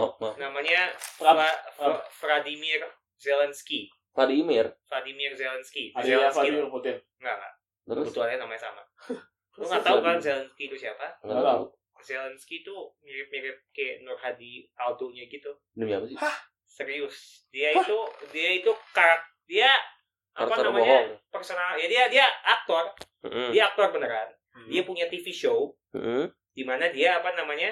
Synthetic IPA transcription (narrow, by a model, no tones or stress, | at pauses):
namaɲaaaffɾadimir | zelɛnski | fladimɪrfladimirzelɛnskizelɛsadput̪ɪn | ŋɡaʔŋɡa̰ʔ | t̪əɾbut̪uɦanɲanamaɲasama̰ | t̪uŋat̪aukaɾanzelɛnskit̪usiapaŋaaaṵ | zelɛnskit̪umiɾɪp̚miɾɪp̪̚kenɔrhadiat̪oɲaɡit̪u | nəmiapa | səɾiʊs | diait̪udiait̪ukaɾak̚dia | ʔapanamaɲpərsonaljadiadiaːk̚t̪ɔr̩ | diaːk̚t̪ɔrpənəɾaan | diapuɲat̪ifiʃow̩ | d̥imanadiaːpanamaɲa